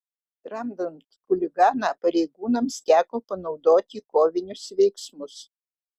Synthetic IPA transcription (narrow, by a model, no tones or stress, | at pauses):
ɾɐmd̪ɐnt̪kʊlʲɪɡɑːnɑːpɐɾʲɛɪɡuːnɐmst̪ʲæːkoːpɐnɒʊd̪oːt̪ʲiːkoːʋʲɪnʲʊsʋʲɛɪksmʊs